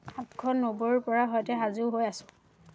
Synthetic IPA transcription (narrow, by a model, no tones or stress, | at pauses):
atkʰɔnːoboɹɹpɔɹaɦɔjtɛɦazuɦojasʊ̥̃